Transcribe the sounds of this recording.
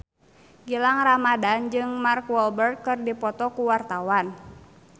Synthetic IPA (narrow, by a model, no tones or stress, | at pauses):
ɡilaŋramadand͡ʒɨŋmarkwɔlbɛrt̪̚kɨrdipɔt̪ɔkuwart̪awan